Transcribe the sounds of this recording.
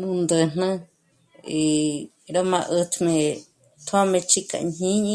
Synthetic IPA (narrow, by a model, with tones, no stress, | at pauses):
nũ˧nd̪ɨ˧˨n̥nɨ̃˧ | i˨ | ɾo˦mã˧ʔɨ˧t̪ʰmẽ˧ | t̪ʰo˦a˦mẽ˧t͡ʃi˦ka̰˧˨ɲɲĩ˦ɲĩ˦